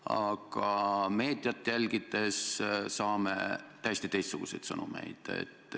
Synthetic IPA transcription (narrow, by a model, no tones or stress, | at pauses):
ɑ̰ɡ̥ɑme̞ːd̪̥jɑt̪ːˑjælʲɡid̪e̞ssɑːmḛt̪æjest̪it̪e̞jst̪suɡ̥use̞jt̪sɤnṵmḛjd̪̥ḛt̪ːˑ